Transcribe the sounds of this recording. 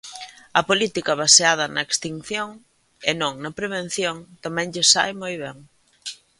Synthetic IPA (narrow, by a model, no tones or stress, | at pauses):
ɐpolit̪ikɐβaseað̞ɐnɐekst̪iŋθjoŋ | enõŋnɐpɾeβ̞en̟θjoŋt̪amɛ̃ŋʎɪsa̰jmojβɛŋ